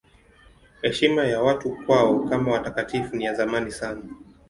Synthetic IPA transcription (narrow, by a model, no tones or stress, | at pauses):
hɛʃimajawatukwaɔkamawatakatifunijazamanisana